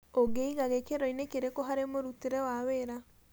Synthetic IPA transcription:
oɡeiɣaɣekeɾɔinekeɾekoɦaɾemoɾuteɾɛwaweɾa

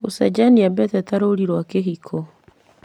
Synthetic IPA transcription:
osad͡ʒaniabɛtɛtaɾoɾiɾwakeɦikʰɔ

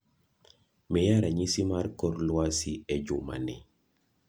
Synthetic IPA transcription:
mijaɾaɲisimaɾkɔɾlwasiɛd͡ʒuma̰nḭ

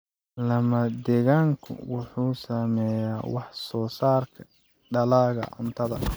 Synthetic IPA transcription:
lɐmɐd̪ɛːɣaːŋkʰʊ̰wʊħuːsamɛjaːwɑħsɔːsaːrkʰɐ | ɖɐlaːɣɐ̰ʕʊ̰nt̪ʰɐðɐ̰

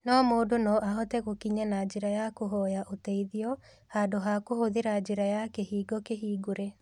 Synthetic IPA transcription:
nɔmoːdonɔʔaɦɔtɛɣokiɲanad͡ʑeɾajakoɦɔjaʔotɛiðiɔ | haːdoɦakohoðeɾad͡ʑeɾajakehiːɡɔkeɦiːɡoɾɛ

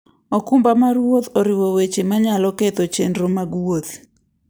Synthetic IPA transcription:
okumbamaɾwot̪oɾiwowet͡ʃemaɲalɔkɛt̪ɔt͡ʃendɾomaɡwot̪

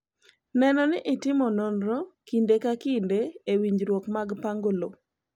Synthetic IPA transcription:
nɛnɔnɪʔɪtɪmɔnonɾokindekakindeːwiɲd͡ʒɾwokmaɡpaŋɡolo

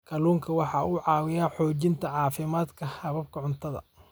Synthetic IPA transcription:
kʰɐluːŋkʰɐwɑħɑːʊʕɑːwɪjaːħɔːt͡ʃɪnt̪ʰɐʕɑːfɪmaːd̪kʰɐhɐβɐb̚kʰɐʕʊnt̪ʰɐðɐ̰

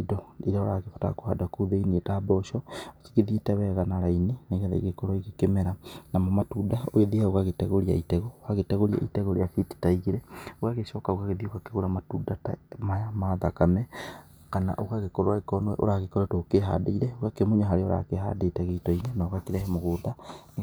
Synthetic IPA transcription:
dɔiɾaoɾaɣefata̰kohadakoðeinietaːbɔʃɔake̥ɣeðietɛβɛɣanaɾaineneɣɛða̰iɣekɔɾwaiɣekemɛɾanamɔmatudaoeðiaoɣaɣetɛɣoɾia̰itɛɣokaɣetɛɣoɾia̰ʔḭtɛɣoɾeafiti̥taiɣeɾɛoɣaɣeʃɔkaoɣaɣeðiokakeɣoɾamatudata̰majamaðakamɛ | kana̰ʔoɣaɣekɔɾowaekɔnowɛ̰ʔo̰ɾaɣekɔɾɛtoːkeɦa̰deiɾɛokakemoɲaɦaɾeoɾa̰keɦa̰detɛɣeitɔinenaɣakeɾɛhɛmoɣoːdan

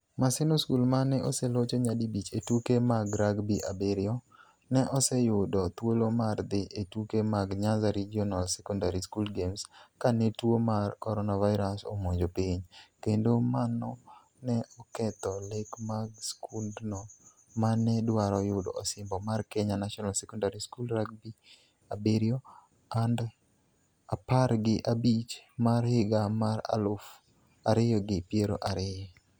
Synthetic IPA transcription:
masɪnoskulmanɛʔosɛlot͡ʃoɲadibit͡ʃetukemaɡɾaɡbiʔa̰beɾɪɔ | nɛʔɔsɛjʊdɔt̪wolomard̪ɪʔetukemaɡɲazaɾid͡ʒiɔnalsɛkɔndaɾiskulɡemskanetwomarkɔɾɔnavaɪɾaso̰moɲd͡ʒopiɲkendomanɔ | nɛʔɔkɛt̪ɔlekmaɡskundno | manɛdwaɾɔjʊdɔːsɪmbɔmarkɛɲanaʃɔnalsɛkɔndaɾiskulɾak̚bi | abeɾjɔ | and | apaɾɡɪʔabit͡ʃmarhɪɡamaɾa̰lʊf | aɾɪjɔɡɪpjeɾo̰ʔaɾɪjɔ

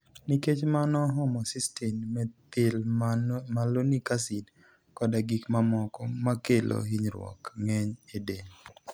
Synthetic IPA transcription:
niket͡ʃmanɔɦɔmɔsistɛnmɛtɪl | malonikasid | kɔdaɡikmamɔkɔmakelʔo̰ɦiɲɾwɔ̰kŋɛɲedeɲ

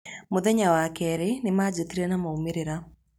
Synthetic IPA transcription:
moðɛɲawakɛɾenemaːd͡ʑot̪iɾɛnamaumeɾeɾa

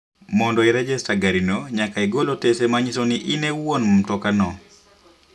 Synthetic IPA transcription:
mɔndɔiɾɛd͡ʒɛstaɡaɾinoɲakaiɡolotesemaɲisoniʔinewonmm̩tɔkanɔ

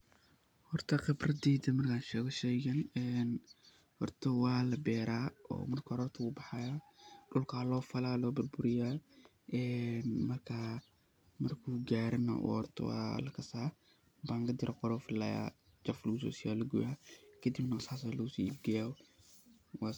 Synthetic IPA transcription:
hɔrt̪ʰɐqɪbrɐd̪iːd̪ɐmɐrkʰaːnʃɛːɣɔʃɛjɣɐnɛːn | hɔrt̪ʰɐwɑːlɐbɛːɾaːɔ̰ːmɐrkʰːɔɾɔːrt̪ʰɐuːbɑħɑjaɖʊlkʰaːlɔːfɐlaːlɔːbʊrbʊɾɪjaː | ɛːnmɐrkʰa | mɐrkʰuːɡaːɾɐnɐ̰ʔɔ̰hɔrt̪ʰɔ̰wɑ̰ːlɐkʰɐsaː | baːŋkɐd̪ɪɾʔɐqɔɾɔːfɪlaːja̰ː | d͡ʒɐflɐɣʊsɔ̰ːsɪjaːlɐɡʊ̰akʰɐd̪ibnɐsaːsalɐɣʊsḭːibɡɐjaː | wɑ

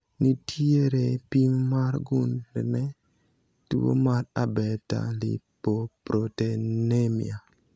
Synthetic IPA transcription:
nitʰieɾepimːaɾɡunlɛnɛ | tuo̰maɾabɛta̰lḭpopɾotenemḭa

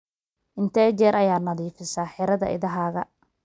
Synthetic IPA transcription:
ʔɪnt̪ʰɛːt͡ʃɛːɾʔɐjaːnɐðiːfɪsaːħɪɾɐðɐ̰ʔɪ̰ðɐɦaːɣɐ

